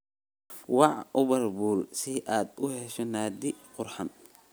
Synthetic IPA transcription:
wɑʕʔʊβɐrbuːlsɪʔaːd̪ʊhɛʃɔnaːd̪ɪqʊrħɑn

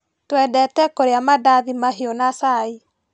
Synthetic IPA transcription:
twɛdɛtɛkoɾeamadaðimaɦeonasai

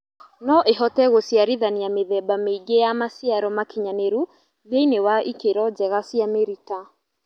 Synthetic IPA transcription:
nɔʔeɦɔtɛɣosiaɾiðanijameðɛbameɡejamasiaɾɔmakiɲaneɾu | vjeinewaʔikeɾɔd͡ʒɛɣasiameɾita

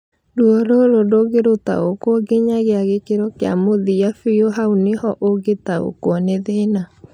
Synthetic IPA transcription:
duɔɾoɾodoɣeɾota̰okwɔɡeɲaɣeaɣekeɾɔkea̰moðijafijoɦaunehɔʔoɡetao̰kwɔneðena

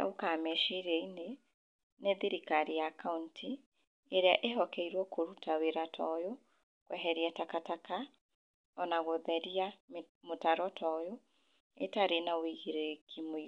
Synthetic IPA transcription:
a̰okamɛʃiɾɛine | neðiɾikaɾijakauntʰi | eɾeaʔeɦɔkɛiɾwɔkʰoɾutaweɾatʰɔjo | kwɛɦɛɾiatakataka | ɔnaɣoðɛɾia | motaɾɔtʰɔjo | ḛtaɾenaweɣiɾekʰimwi

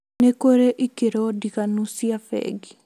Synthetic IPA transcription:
nekoɾeʔikeɾɔdikanusiafɛ̰ɡi

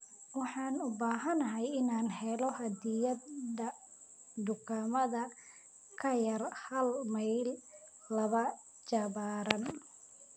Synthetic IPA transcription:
wɑħɑːnʊbaːɦɐnɐɦɛjɪnaːnhɛlɔhɐd̪ɪjɐd̪ɐ | d̪ʊkʰaːmɐðɐ | kʰɐjɐrhɐlmɐjlː | ɐβɐ | t͡ʃɐβaːɾɐn

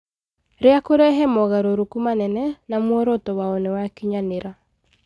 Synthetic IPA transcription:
ɾeakoɾeɛɦɛmɔɣaɾoɾokumanɛnɛnamwɔɾotɔwaonɛwakiɲaneɾa

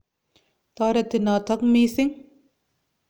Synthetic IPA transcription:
t̪aːɾɐt̪inaːt̪ʰɐkmiːsiŋ

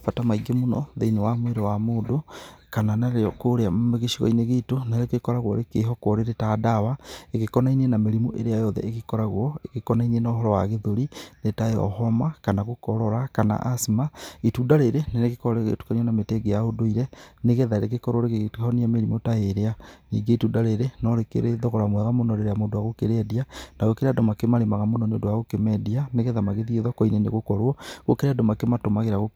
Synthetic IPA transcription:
patamaiɡemunɔðeinewamweɾewamoːdokananaɾeɔkoɾeammeɣeʃiɣɔ̰ineɣetonaekekɔɾaɣwɔ̰ɾekeɦɔkwɔɾeɾetadawaeɣekɔnainienameɾimoʔeɾeajɔðɛ̰eɣekɔɾaɣwɔekekɔnainienaɦɔɾɔwaɣeðoɾinetaeɔ̰ɦɔmakanaɣukɔɾɔɾakana̰ʔasimaitudaɾeɾeneneɣekɔɾeɣḛtu̥kaniɔnameteɡejaodoiɾɛneɣeðaɾeɣekɔɾoɾeɣeɣɔniɛmeɾimotaeɾeanḭːɡeitudaɾeɾenɔɾekḛɾeðɔɣɔɾamwɛɣamonɔɾeɾeamodoaɣokeɾɛdianaɣokeɾadomakemaɾemaɣamonɔneodoaɣokemɛdianeɣeðamaɣeðieðɔkɔinenḛɣokɔɾwɔɣokeɾɛadomakematomaɣeɾaɣo

